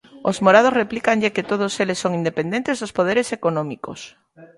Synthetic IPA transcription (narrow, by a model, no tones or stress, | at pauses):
ozmoɾað̞osreplikaŋʎeket̪oð̞oselesːoŋind̪epend̪ent̪ezðospoð̞eɾesekonõmiko̰s